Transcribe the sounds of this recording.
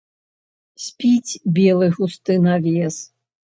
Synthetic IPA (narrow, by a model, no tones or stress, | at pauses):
sʲpʲit͡sʲbʲelˠɨɣust̪ɨnavʲeɛs